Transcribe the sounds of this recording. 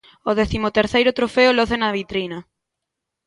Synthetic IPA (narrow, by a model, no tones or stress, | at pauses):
oðɛθimʊt̪eɾθejɾʊt̪ɾofeʊloθenɐβit̪ɾinɐ